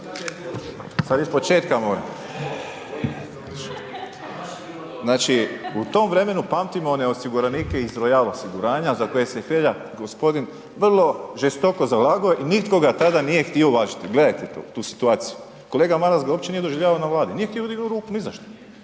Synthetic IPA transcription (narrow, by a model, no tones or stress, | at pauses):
sad̪jispo̞t͡ʃe̞ːt̪kamoːɾa̰m | znaːt͡ʃiut̪o̞mʋɾe̞me̞nupamt̪imoneosiɡuɾanikeizɾojalosiɡuɾaːɲazako̞je̞sexɾeʎa | ɡo̞spo̞d̪in | ʋr̩lˠo̞ʒest̪o̞kozalaːɡujeʔinit̪ko̞ɡat̪ad̪anije̞xt̪ioʋaːʒit̪iɡle̞d̪ajt̪et̪o̰t̪uːsi̥t̪uaːt̪siju | ko̞leːɡamaɾazɡaoːpt͡ʃenije̞d̪o̞ʒiʋʎaːʋaonaʋlˠaːd̪inijext̪ijoud̪iɡnuɾuːkunizaʃt̪o